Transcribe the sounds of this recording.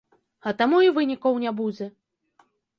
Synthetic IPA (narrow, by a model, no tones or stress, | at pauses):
ɐt̪amuivɨnʲikɐwnʲabud͡zʲɛ